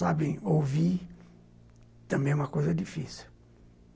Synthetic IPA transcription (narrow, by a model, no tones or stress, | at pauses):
abẽj̃owvi | t̪ɐ̃mbẽjɛũmɐkojzɐd̪ifisiw